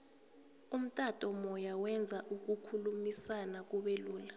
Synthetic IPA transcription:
um̩tʼatʼɔmɔjawɛnd͡zʱaʔuk̬ukʰulumisanak̬uɓeluːla

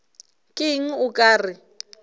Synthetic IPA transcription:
kʼɪŋ̩ʊkʼaːrɪ

